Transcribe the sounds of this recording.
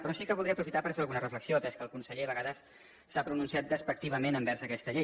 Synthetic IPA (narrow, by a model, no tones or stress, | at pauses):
pɾɔsikəβulˠd̪ɾɛəpɾufit̪apəɾfeɾəlˠɣunərəfləksiot̪ɛskəlˠkunsəʎeəβəɣaðəsː | apɾununsiat̪̚d̪əspək̚t̪iβəmenəmbɛɾsəkɛst̪əʎe